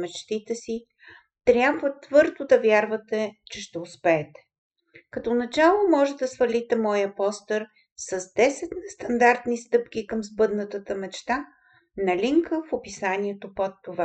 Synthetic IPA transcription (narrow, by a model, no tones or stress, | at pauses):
mɛt͡ʃt̪it̪ɛsi | t̪ɾʲjabvət̪vɤɾd̪od̪ɐvʲjaɾvɐt̪ɛt͡ʃɛʃt̪ɛʊspɛːt̪ɛ̥ | kɐt̪onɐt͡ʃalˠomɔʒɛd̪ɐsvɐlit̪ɛmɔjəpɔst̪əɾ | sɐzd̪ɛsɛt̪nɛst̪ɐnd̪aɾt̪nist̪ɤpk̟ʲikəmzbɤd̪nət̪ət̪əmɛt͡ʃt̪a | nɐlʲiŋkəfopisanʲiɛt̪opot̪ːova